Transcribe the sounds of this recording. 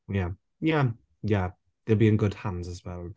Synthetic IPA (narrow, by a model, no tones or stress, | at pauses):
ja | ja | ja | ðəlˠbiɪ̃nɡʊd̥̚hãndzəzwɛlˠ